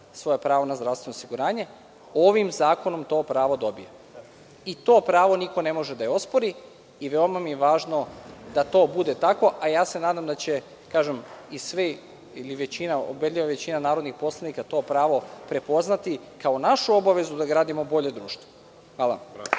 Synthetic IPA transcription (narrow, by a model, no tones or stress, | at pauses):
sʋo̞jepɾaːʋonazd̪ɾast̪ʋe̞nosiɡuɾaːɲe̞ | o̞ʋimzaːko̞nomt̪o̞ːpɾaːʋo̞d̪o̞bije | it̪oːpɾaːʋo̞niko̞ne̞mo̞ʒed̪ajeo̞spoɾi | iʋeomamijeʋaːʒno̞d̪at̪o̞ːbud̪e̞t̪ako̞ʔajaːse̞naːd̪amd̪at͡ɕe̞ | kaːʒemisʋe | iliʋet͡ɕinao̰bed̪ʎʲiʋaʋe̞t͡ɕinanaːɾo̞d̪nixpo̞slˠanikat̪o̞ːpɾaːʋopɾe̞po̞znat̪ikaonaʃuo̞baʋe̞zud̪aɡɾaːd̪imobo̞ʎe̞d̪ɾuːʃt̪ʋo | ʋaːlˠa̰